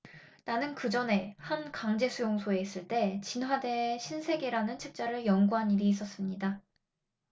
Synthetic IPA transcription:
nanɯnkɯd͡ʑʌne̞hankaŋd͡ʑe̞sʰujoŋsʰoe̞is͈ɯɭt͈e̞t͡ɕinɦwade̞ɕʰinsʰe̞ɡeɾanɯnt͡ɕʰek̚t͡ɕ͈aɾɯɭjʌŋɡuɦaniɾiːs̬͈ʌs͈ɯmɲida

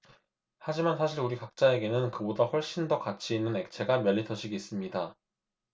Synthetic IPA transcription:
had͡ʑimansʰaɕʰiɾuɾikak̚t͡ɕ͈ae̞ɡe̞nɯnkɯbodaɸwʌɭɕ͈indʌkat͡ɕʰiːnːɯne̞k̚t͡ɕʰe̞ɡamjʌɭːitʰʌɕʰiɡiis͈ɯmɲida

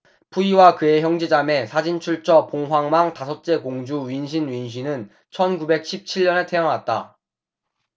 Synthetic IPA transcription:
puiwakɯe̞çjʌŋd͡ʑid͡ʑame̞sʰad͡ʑint͡ɕʰuɭt͡ɕʰʌpoŋɦwaŋmaŋtasʰʌk̚t͡ɕ͈e̞koŋd͡ʑuɥinɕ̬ʰinɥinɕ̬ʰinɯn | t͡ɕʰʌnkube̞k̚ɕʰip̚t͡ɕʰiʎːʌne̞tʰeaŋɦat̚t͈a

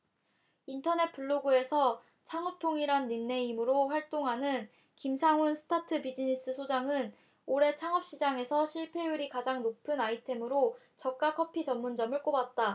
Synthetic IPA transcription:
intʰʌne̞t̚p͈uɭːoɡue̞sʰʌ | t͡ɕʰaŋʌp̚tʰoŋiɾanːinːe̞imɯɾoɸwaɭt͈oŋɦanɯn | kimsʰaŋunsʰɯ̥tʰatʰɯbid͡ʑinis͈ɯsʰod͡ʑaŋɯn | oɾe̞t͡ɕʰaŋʌp̚ɕ͈id͡ʑaŋe̞sʰʌɕʰiɭpʰe̞juɾikad͡ʑaŋnopʰɯnaitʰe̞mɯɾo | t͡ɕʌk̚k͈akʰʌpʰit͡ɕʌmːund͡ʑʌmɯɭk͈obat̚t͈a

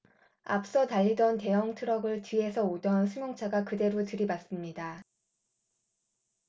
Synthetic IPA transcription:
a̰p̚s͈ʌtaʎːidʌnte̞jʌŋtʰɯɾʌɡɯɭtɥie̞sʰʌodʌnsʰumjoŋt͡ɕʰaɡakɯde̞ɾotɯɾibas͈ɯmɲida

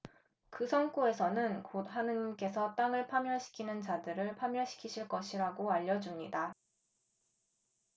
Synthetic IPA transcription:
kɯsʰʌŋk͈oe̞sʰʌnɯnkodɦanɯɲimk͈e̞sʰʌt͈aŋɯɭpʰamjʌɕʰi̥kʰinɯnt͡ɕadɯɾɯɭpʰamjʌɕʰi̥kʰiɕʰiɭk͈ʌɕʰiɾaɡoaʎːʌd͡ʑumɲida

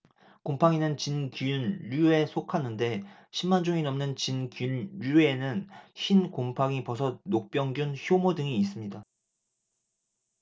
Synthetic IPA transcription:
kompʰaŋinɯnt͡ɕinkujunʎue̞sʰokʰanɯnde̞ | ɕʰimːand͡ʑuŋinʌmnɯnt͡ɕinkunɾuenɯnɕʰinkompʰaŋipʌsʰʌnok̚p͈jʌŋɡjunçjomodɯŋiːs͈ɯmɲida

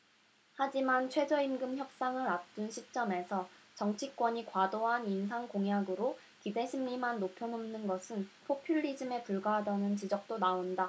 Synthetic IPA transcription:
had͡ʑimant͡ɕʰwe̞d͡ʑʌimɡɯmçjʌp̚s͈aŋɯɾat̚t͈unɕʰit͡ɕ͈ʌme̞sʰʌt͡ɕʌŋt͡ɕʰik͈wʌɲikwadoɦanins̬ʰaŋkoŋjaɡɯɾo | kide̞ɕʰimːimanːopʰjʌnʌmnɯnɡʌsʰɯnpʰopʰjuʎːid͡ʑɯme̞puɭɡaɦadanɯnt͡ɕid͡ʑʌk̚t͈onaonda

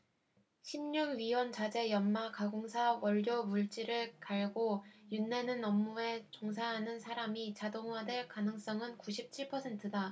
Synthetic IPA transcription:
ɕʰimɲuɡɥiwʌnt͡ɕad͡ʑe̞jʌnmakaɡoŋsʰawʌʎːomuɭt͡ɕ͈iɾɯɭkaɭɡojunːe̞nɯnʌmːue̞t͡ɕoŋsʰaɦanɯnsʰaɾamit͡ɕadoŋwadeɭkanɯŋs͈ʌŋɯnkuɕʰip̚t͡ɕʰiɭpʰʌsʰe̞ntʰɯda

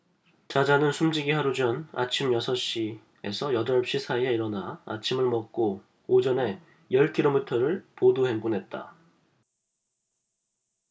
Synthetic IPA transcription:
t͡ɕad͡ʑanɯnsʰumd͡ʑiɡiɦaɾud͡ʑʌna̰t͡ɕʰimjʌsʰʌɕ͈i | e̞sʰʌjʌdʌɭpɕ͈isʰaie̞iɾʌnaa̰t͡ɕʰimɯɭmʌk̚k͈oː | d͡ʑʌne̞ | jʌɭkʰiɾomitʰʌɾɯɭpoduheŋɡunɦe̞t̚t͈a̰

